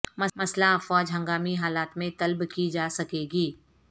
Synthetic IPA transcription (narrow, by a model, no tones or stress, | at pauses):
mɐmɐslafɔːd͡ʒɦɐ̃ŋɡaːmiɦaːlaːt̪mẽt̪ɐlbkid͡ʒaːsɐkeːɡiː